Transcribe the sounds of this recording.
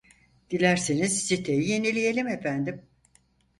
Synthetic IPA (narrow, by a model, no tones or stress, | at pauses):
d̪̥ilʲæɾsinizsit̪ʰejije̞nilʲije̞lʲimefænd̪im